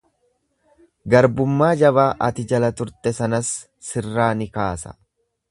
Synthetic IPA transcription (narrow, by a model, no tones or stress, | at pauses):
ɡɐɾbʊmːaːd͡ʒɐβaːʔɐt̪ɪd͡ʒɐlɐt̪ʊɾt̪ɛsɐnɐsː | ɪrːaːnɪkaːsɐ̥̰